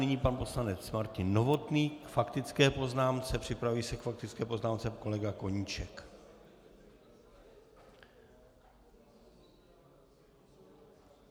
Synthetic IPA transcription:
ɪɲiːpanpo̞slanɛt͡smaɾcɪnːo̞vo̞t̪niːkfakt̪ɪt͡skɛːpo̞znaːmt͡sɛpr̥ɪpɾavuviːsɛkfak̚t̪ɪt͡skɛːpo̞znaːmt͡sɛko̞lɛɡako̞ɲiːt͡ʃɛk

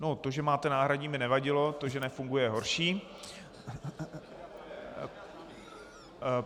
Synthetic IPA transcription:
not̪o̞ʒɛmaːt̪ɛnaːɦɾaɟɲimɪnɛvaɟɪlo̞t̪oʒɛnɛfuŋɡujɛɦo̞ɾʃiː

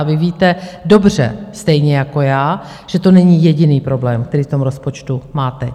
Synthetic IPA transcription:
vɪviːt̪ɛdo̞br̝ɛ̰st̪ɛjɲɛjako̞jaː | ʒ̥ɛt̪o̞nɛɲijɛɟɪniːpɾo̞blɛːmkt̪ɛɾiːft̪o̞mɾo̞spo̞t͡ʃt̪umaːt̪ɛ

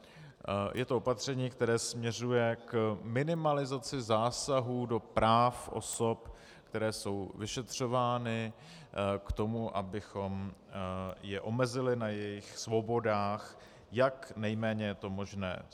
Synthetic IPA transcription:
jʔɛt̪oopat̪r̝̥ɛɲiːkt̪ɛɾɛːsmɲɛr̝ujɛkmɪnɪmalɪzat͡sɪzaːsaɦuːdo̞pɾaːfʔo̞̰so̞p | kt̪ɛɾɛːso̞wvɪʃɛt̪r̝̥o̞vaːnɪ | kt̪o̞muʔa̰bɪxo̞m | jɛʔo̞mɛzɪlɪnajɛjɪxsvo̞bo̞daːx | jaknɛjmɛːɲɛjɛt̪o̞mo̞ʒnɛ̰ː

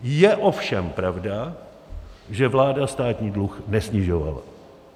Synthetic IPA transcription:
jɛʔo̞fʃɛmpɾavda | ʒɛvlaːdast̪aːt̪ɲiːdluxnɛsɲɪʒova̰la̰

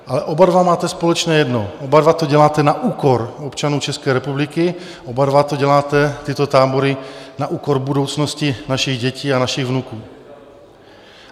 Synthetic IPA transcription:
ʔalɛʔobadvamaːt̪ɛspolɛt͡ʃnɛːjɛdnoobadvat̪oɟɛlaːt̪ɛnaʔuːkoɾopt͡ʃanuːt͡ʃɛskɛːɾɛpublɪkɪ | ʔobadvat̪oɟɛlaːt̪ɛt̪ɪt̪ot̪aːboɾɪnaʔuːkoɾbudo̞wt͡snoscɪnaʃɪɣɟɛciːanaʃɪɣvnukuː

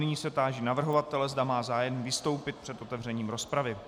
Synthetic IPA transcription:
nɪɲiːsɛt̪aːʒinavr̩ɦo̞vat̪ɛlɛzdamaːzaːjɛmvɪst̪o̞wpɪt̪̚pr̥ɛt̪ʔo̞t̪ɛvr̝ɛɲiːmɾo̞spɾavɪ

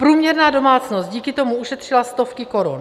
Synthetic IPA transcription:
pɾuːmɲɛɾnaːdo̞maːt͡snost̪̚ɟiːkɪt̪o̞muʔuʃɛt̪r̝̥ɪlast̪o̞fkɪko̞ɾṵn

